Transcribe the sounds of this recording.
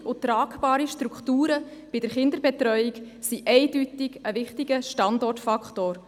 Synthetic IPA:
ʔʊt̪ɾɑːkbɑːɾiʃtɾukχtuːɾəb̥ɪd̥əɾχɪnd̪əɾbɛtɾœʏik | siʔɛɪdytɪɡəʋɪχtiɡəʃtɑndɔrtfɑkχtoːɾ

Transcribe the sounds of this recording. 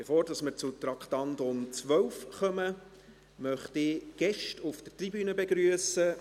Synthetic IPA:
b̥efoːɾdɑsməɾt͡sut̪ɾɑkχtɑntʊnt͡sʋœwfχœmə | mœχtɪɡ̥ɛʃtʰʊfd̥ərtribyːnəbeɡɾyəsə

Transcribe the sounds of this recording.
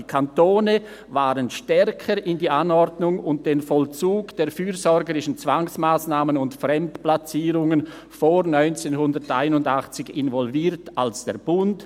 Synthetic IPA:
ikʰantoːnə | vaːʁənʃtɛɾkʰəɾʔɪndiːʔanɔɾdnʊŋʊnt̚d̥eːnfɔlt͡suːɡd̥eːɐfyːzɔɾɡəɾɪʃn̩t͡sv̥aŋsmaːsnaːmənʊntfrɛmtplat͡siːʁʊŋən | foːɾnɔʏnt͡seːnɦʊndəʁtʔaɪnʊndaχt͡sɪçɪnvɔlviːtalsd̥ḛːɐb̥ʊnt

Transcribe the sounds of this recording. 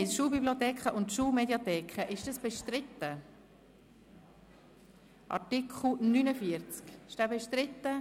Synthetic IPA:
ɪsʃuːlbibliot̪ɛːkχəʔʊntʃuːlmedjat̪ɛːkʰχəʔɪʃd̥ɑsb̥ɛʃtɾɪt̪ːə | ʔɑ̰tɪkχl̩nynəfiəɾt͡skɪʃd̥æːbɛʃtɾɪt̪ːə

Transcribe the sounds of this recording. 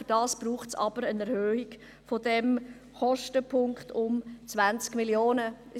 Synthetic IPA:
fd̥ɑːsb̥ɾuːχtsɑ̰b̥əɾənɛɾhøːɪɡ | fodɛm | χɔʃtəpʰʊŋkχtʰʊmt͡svant͡skmiljoːnə

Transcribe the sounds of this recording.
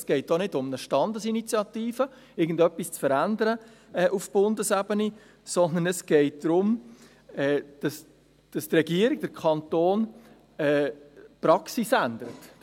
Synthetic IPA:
sɡ̥ɛɪt̚d̥onɪdʊmnəʃtɑndəsinit͡sjɑtiːfə | ɪɡən̩dœpːist͡sfəɾændəɾə | ɛːʔufb̥ʊndəsɛbəni | sɔnd̪ən̩ɛsɡ̥ɛɪt̚d̥ɾʊm | ɛːd̥ɑs | d̥ɑstrɛɡ̥iəɾiɡ̚d̥əɾkʰɑnt̪oːn | ɛːpɾɑksisændəɾət

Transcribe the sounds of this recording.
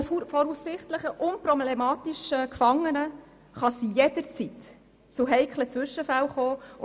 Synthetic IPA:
fɔɾusːɪχtləχəʔʊnpɾɔblɛmɑːt̪iʃəkfɑŋːənə | χɑsijɛd̥əɾt͡sit̪ | t͡sʊɦɛɪkʰlət͡sʋʏʃːəfæwχoː

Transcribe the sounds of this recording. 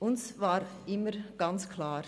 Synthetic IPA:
ʔʊnsvaːɾ | ɪməɾɡ̥ant͡skʰlaːɾ

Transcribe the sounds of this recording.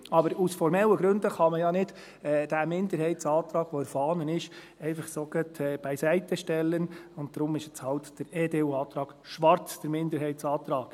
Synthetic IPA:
ɑbəɾusfɔɾmɛlːəɡɾʉndəχɑməjɑnɪd̥ | ɛd̥æmɪndəɾhɛɪtsɑːt̪ɾɑːɡ̥ʋɔɪɾfɑːnənɪʃ | ɛɪfɑχsoɡ̥ətʰɛːb̥ɛɪsæɪtəʃtɛlːənʊnt̚d̥ɾʊmɪʃɛt͡shɑltd̥əɾeːdeːuɑːt̪ɾɑːɡ̥ʃʋɑɾt͡sd̥əɾmɪndəɾɦɛɪtt͡sɑːt̪ɾɑːɡ̥

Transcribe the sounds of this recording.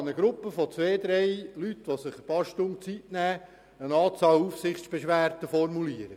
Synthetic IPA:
nəɡ̥ɾupːəfɔt͡sʋeːd̪ɾɛɪlytːʋosɪχb̥ɑʃtʊmt͡sitnæː | ənɑːt͡sɑːlufsɪχt͡ssb̥eʃʋæːɾtəfɔɾmuliəɾə

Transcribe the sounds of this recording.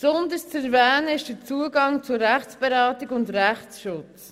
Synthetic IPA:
sɔnd̪əst͡sɛɾvɛːnəɪʃd̥ət͡suəɡɑŋt͡sʊɾæχt͡sb̥eɾɑːtɪɡʊndɾæχsʃʊt͡s

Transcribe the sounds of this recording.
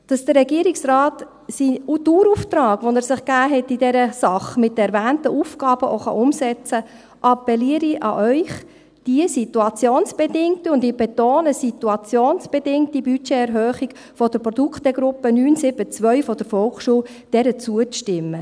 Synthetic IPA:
d̥ɑsd̥ərːɛɡiəɾɪksrɑːt | siutuːɾuft̪ɾɑːɡ̥ʋɔnɛɾsɪχɡ̥æːɦɛtːidɛɾəsɑχmɪt̚dəɛɾvæːntəʔufɡ̥ɑːb̥əʔoχɑ̰ʔʊmsɛt͡sə | ʔɑpːɛliəɾiʔɑ̰ʔœʏχ | d̥iəsituɑt͡sjoːnsb̥ɛdɪŋtəʊndɪb̥ɛtoːnəsituɑt͡sjoːnsb̥ɛdɪŋtibyt͡ʃɛɛɾɦœːχik | fɔd̥əɾpɾɔd̥̪ukχt̪ɛɡɾʊpːənyːnsɪb̥ət͡sʋœʏfɔd̥̪əɾfɔlχʃuːw | d̥ɛɾət͡suət͡sʃtɪmːə

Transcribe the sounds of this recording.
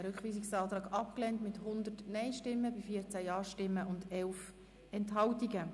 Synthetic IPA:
ɾʏkχʋiːsiksɑːt̪ɾɑːɡɑpklɛntmɪthʊnd̪ətnɛɪʃtɪmːəbifiət͡sæjɑːʃtɪmːəʊndɛlf | ɛntɦɑwtiɡə

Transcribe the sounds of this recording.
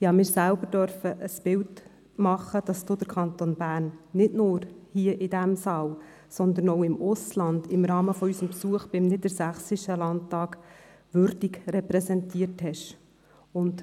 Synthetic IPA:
jɑːmɪːɾsælbəɾd̥œɾfəʔəsb̥ɪlt | mɑχːəd̥ɑsd̥̪oːd̥̪əɾkʰɑnt̪onbæːrnːɪdnʊːɾhiəʔɪdæmsɑːl | sɔnd̪ənɔʊɪmʊslɑnd̥̪ɪmɾɑːməfɔysəmpsuəχb̥ɪmnɪd̪əɾsæχsiʃəlɑnttːɑːk | ʋʏɾdiɡɾɛpɾɛsɛntiəɾthɛʃ | ʊnd

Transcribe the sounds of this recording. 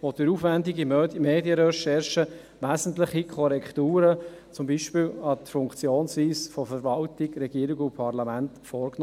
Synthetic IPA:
ʋɔt̪ɪɾuːfʋændiɡimømeːdjəɾɛʃɛɾʃə | ʋæːzn̩tlɪχikʰɔɾɛkt̪uːɾə | t͡sʊmbiʃpɪːlɑtəfʊŋkt͡sjoːnsʋiːsfɔfəɾʋɑltɪɡɾɛɡiːəɾɪɡʊpʰɑɾlɑmæntfɔːɾkn

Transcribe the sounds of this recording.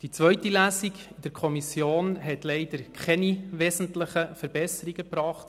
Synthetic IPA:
d̥it͡sʋœʏtilæːsikd̥əɾkʰɔmisjoːnɦɛtlɛɪd̥əɾkʰχɛniʋɛzən̩tlɪχəfəɾbɛsəɾiɡəpɾɑːχt

